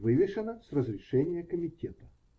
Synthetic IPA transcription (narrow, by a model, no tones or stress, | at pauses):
vɨvʲɪʂənəsrəzɾʲɪʂɛnʲɪjəkəmʲɪtʲet̪ə̥